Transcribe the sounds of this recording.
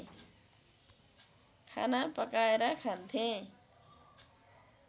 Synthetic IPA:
kʰa̰napəkaeɾakʰant̪ʰẽ

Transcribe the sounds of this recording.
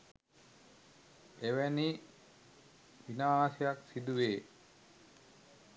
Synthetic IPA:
eʋæni | ʋinaːsejaksid̪uʋeː

